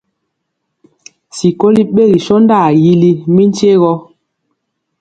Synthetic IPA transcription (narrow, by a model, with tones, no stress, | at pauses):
si˨ko˦li˦ɓe˦˨ɣi˨ʃɔ˦n˦da˦˨ji˦li˦mi˦n˦t͡ʃe˦ɣɔ˦